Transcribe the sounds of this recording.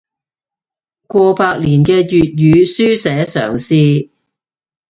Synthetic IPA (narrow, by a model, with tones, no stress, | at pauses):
kʷɔː˧paː˧k̚liː˨˩nkɛː˧jyː˨t̚jyː˨˧syː˥sɛː˨˥sœ̰ː˨˩ŋsiː˧